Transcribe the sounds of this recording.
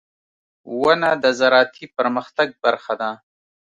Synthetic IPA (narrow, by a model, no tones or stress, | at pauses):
wanad̪əzaɾɑːt̪ʰipəɾməxt̪aɡ̚baɾxad̪a